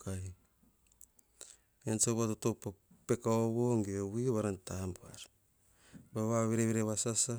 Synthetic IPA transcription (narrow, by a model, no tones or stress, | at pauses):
kai | ensoβatotopa | pekaoβoŋɡewiβaɾantambuaɾ | βaβaβeɾeβeɾeβasasa